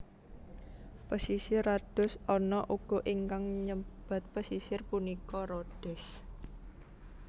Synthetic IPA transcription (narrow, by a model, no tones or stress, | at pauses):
pəsisɪrad̪̥ʊ̤sɔnɔʔuɡ̥ɔ̤ʔiŋkaŋɲəb̥a̤t̪̚pəsisɪrpunikɔɾoɖ̪̥ɛs